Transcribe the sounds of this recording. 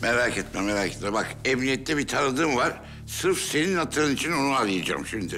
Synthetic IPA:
meɾaːkɛt̪mæmmeɾaːkʰet̪mæbakɛmnʲijɛt̪ʰːɛbit̪ʰanɯd̪ɯmvaɾ̥ | sɯɾfse̞ninhat̪ʰːɯɾɯnit͡ʃʰino̞nualˠɯjad͡ʒa̰ːmʃind̪y

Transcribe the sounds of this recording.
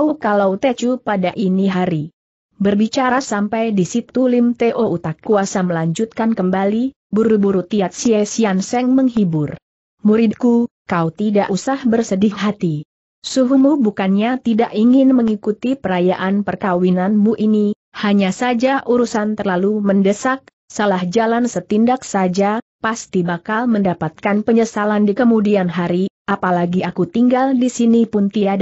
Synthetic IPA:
ukalawt̪at͡ʃupadaʔiniɦaɾi | bərbit͡ʃaɾasampajdisit̪ulimt̪eʔout̪akːuasaməlaɲd͡ʒut̪̚kankəmbali | buɾubuɾut̪iat̪̚siɛsiansɛŋməŋɦibʊr | muɾɪd̪̚kukaut̪idaʔusahbərsədɪŋɦat̪i | suɦumubukanɲat̪idaʔiŋɪnməŋikut̪ipəɾajaʔanpərkawinanmuʔini | haɲasad͡ʒaʔuɾusant̪ərlaluməndəsak̚ | salahd͡ʒalansət̪indak̚sad͡ʒapast̪ibakalməndapat̪̚kanpəɲəsalandikəmudianɦaɾiʔapalaɡiakut̪iŋɡaldisinipʊnt̪iad

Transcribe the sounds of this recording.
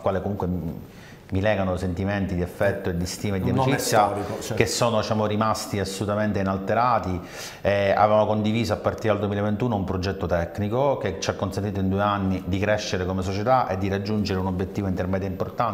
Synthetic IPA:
kwaːlekomuŋkwe | milɛːɡanosent̪iment̪id̪iefːɛt̪ːoed̪ːist̪iːmed̪ːiemit͡ʃit̪sːjakesːoːnod̪it͡ʃaːmorimast̪iasːolut̪ament̪einalt̪eɾaːt̪i | ea̰vevamokond̪iviːzoapːart̪iɾed̪ald̪uwemilevent̪uːnoumpɾod͡ʒɛt̪ːot̪ɛkːnikoket͡ʃːakːonsent̪it̪oind̪ueanːid̪ikɾɛʃːeɾekomes̬ot͡ʃet̪aʔed̪ːiɾad͡ʒːund͡ʒeɾeunobːjet̪ːiːvoint̪ermɛːd̪jaimport̪an

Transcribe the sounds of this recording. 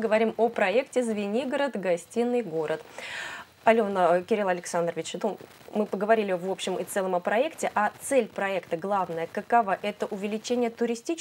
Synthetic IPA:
ɡəvɐɾʲimopɾɐektʲɪzvʲɪnʲiɡəɾət̪ɡɐsʲtʲinːɨjɡo̞ɾət̪ | ɐlʲonəkʲɪɾʲilˠɐlʲɪksand̪rəvʲɪt͡ɕnu | mɨpəɡəvɐɾʲilʲɪvo̞pɕːɪmʔɨt̪sɛlˠəməpɾɐɛktʲɪʔat̪sɛlʲpɾɐɛkt̪əɡlˠavnəjəkəkɐvaʔɛt̪əʔʊvʲɪlʲɪt͡ɕenʲɪjət̪ʊɾʲɪsʲtʲit͡ɕ

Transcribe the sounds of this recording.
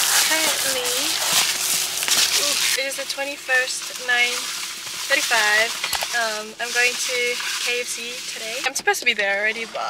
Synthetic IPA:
kʰɛ̃ʔli | ɨɾɨzðɨtʰw̥ɛ̃ɾ̃ifɜ˞st | nãɪ̃n | θʰɜ˞ɾ̃ifaɪv̥ʌ̃mãɪ̃mɡoʊɪ̃ŋtʰɨkʰeɪɛfsitʰɨɾeɪãɪ̃msə̥˞pʰoʊz̥tʰəbiðə˞ɔlˠɹɛɾibʌ̰

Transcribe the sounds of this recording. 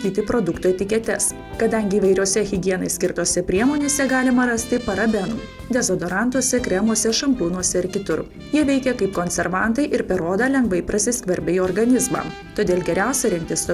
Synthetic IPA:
t̪ʲiːt̪ʲɪpɾod̪ʊkt̪uɛt̪ʲɪkʲɛt̪ʲɛs | kɐd̪ɐŋʲɡʲɪːʋɐɪɾʲuɔsʲɛɣʲɪɡʲiɛnɐɪsʲkʲɪɾt̪oːsʲɛpʲɾʲiɛmoːnʲeːsʲɛɡɑːlʲɪmɐɾɐsʲt̪ʲɪpɐɾɐbʲɛnṵ | d̪ʲɛzoːd̪oɾɑˑnt̪uɔsʲɛkɾʲɛmuɔsʲɛʃɐmʲpʲuːnuɔsʲɛɪɾkʲɪt̪ʊɾ | jiɛʋʲɛɪkʲɛkɐɪpkonʲsʲɛɾʋɐnt̪ɐɪʔɪɾpʲɛɾoːd̪ɐlʲɛŋɡʋɐɪpɾɐsʲɪskʋɐɾʲbʲɪjɔɾɡɐnʲɪzmɑ̰ | t̪oːd̪ʲeːlʲˠɡʲɛɾʲæˑʊsʲɛɾʲɪŋk̚t̪ʲɪso

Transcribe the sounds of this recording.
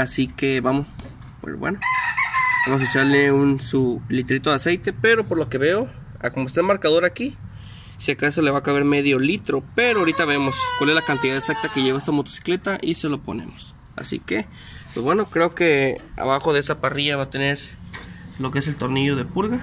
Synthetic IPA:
asikeβamos | pwḛzbwḛno | bamos̬esaleunsulit̪ɾit̪oðase̞jt̪e̞pe̞ɾo̞po̞ɾlo̞ke̞βe̞o | a̰komoest̪aelmaɾkaðo̞ɾaki | sjakasole̞βakaβe̞ɾme̞ðjo̞lit̪ɾo̞peɾoaɾit̪aβemo̞skwale̞zlakant̪iðaðesak̚t̪ake̞ʝeβest̪amot̪o̥si̥kle̞t̪aʔise̞lo̞po̞̰nḛmos | a̰sḭke | pwezbweno̞kɾe̞o̞ke̞a̰βaxo̞ðeest̪apariʝaβat̪e̞neɾ | lokees̬e̞lt̪o̞ɾniʝo̞ðe̞puɾɣa

